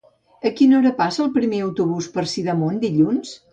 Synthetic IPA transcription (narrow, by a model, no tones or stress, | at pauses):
əkinoɾəpasəːlˠpɾimeəwt̪uβ̞uspəɾsiðəmond̪iʎuns